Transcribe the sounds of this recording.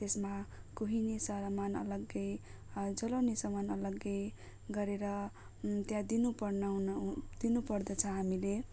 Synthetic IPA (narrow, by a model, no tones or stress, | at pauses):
t̪esmakuɦinisʌɾmanʌ̰lʌɡːʌj | d͡zʌlʌwnisʌmʌnʌlʌɡːʌj | ɡʌɾeɾʌ | t̪jãd̪inupʌrnʌnd̪̥inupʌrd̪ʌt͡sʰʌɦamile